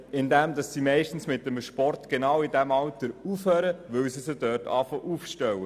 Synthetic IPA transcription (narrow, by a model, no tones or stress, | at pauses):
ɪnd̪ɛmdɑsːimɛɪʃtn̩smɪt̚ːəmʃpɔrtɡ̥enɑːwɪdæmɑltəɾufhøːɾəʋʏwsisəd̥œːtɑ̰ːfɔʔufʃtɛwə